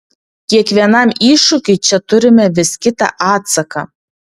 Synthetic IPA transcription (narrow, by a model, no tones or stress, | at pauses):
kʲiɛkʋʲiɛnɑmiːʃʊkʲɪɪt͡ʃʲɛt̪ʊɾʲɪmʲɛʋʲɪskʲɪt̪ɑ̰ʔɑːt̪sɐkɐ